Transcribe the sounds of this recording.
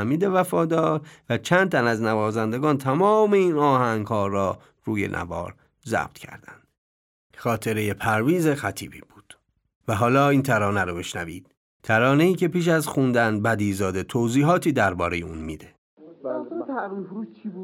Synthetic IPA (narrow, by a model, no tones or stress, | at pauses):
æmiːd̪e̞væfɒːd̪ɒːɾvæt͡ʃʰænd̪̚t̪ʰænæznævɒːzænd̪e̞ɡɒːnt̪ʰæmɒːmeiːnɒːhæŋɡhɒːɾɒː | ruːje̞̰nʔæ̰vɒ̰ːɾ | zæ̰b̥̚t̪ʰcʰæ̰ɾd̪ænd̪̥ | xɒːt̪ʰe̞ɾe̞je̞pʰæɾviːzexæt̪ʰḭːbḭːb̥uːd̪̥ | væɦɒːlɒːiːnt̪ʰæɾɒːnæɾɔbeʃnævḭːd̪̥̚ | t̪ʰæɾɒːne̞iːcʰe̞piːʃ̬æzxund̪ænbæd̪iːzɒːd̪e̞t̪ʰoziːɦɒːt̪ʰiːd̪æɾbɒːɾe̞jeuːnmiːd̪e̞